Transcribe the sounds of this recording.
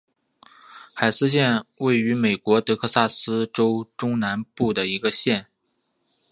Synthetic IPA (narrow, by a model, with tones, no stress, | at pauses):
xa˨˩ɪsɹ̩˥ɕ̬jɛ˥˧nwe˥˩ɪy˧˥me˨˩ɪkwɔ˧˥t̪ɤ˧˥kʰɤ˥˧sa˥˩sɹ̩˥ʈ͡ʂo˥ʊʈ͡ʂʊ˥ŋna˧˥npu˥˩d̪ə˩i˧˥ɡə˧ɕjɛ˥˩n